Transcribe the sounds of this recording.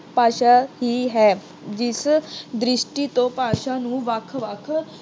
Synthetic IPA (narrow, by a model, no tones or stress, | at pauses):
paːʃaɦiɦɛ | d͡ʒɪsd̪ɾɪʂʈit̪opaːʃanũʋakʰʋakʰ